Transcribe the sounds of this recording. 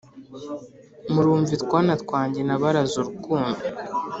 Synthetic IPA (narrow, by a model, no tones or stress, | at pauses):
muɾuːɱvitkwaːnatkwaːɲɟenaβaɾazuɾukuːndu